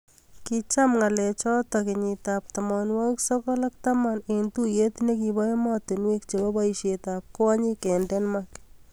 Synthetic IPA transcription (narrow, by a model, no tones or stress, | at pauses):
kit͡ʃamŋalɛt͡ʃɔtɔkɪɲit̪ap̚t̪amɔnwɔksɔkɔlak̚t̪amanentujet̪nekibɔemɔtɪnwekt͡ʃebɔbaiʃet̪ap̚kaɲikɛndɛnmak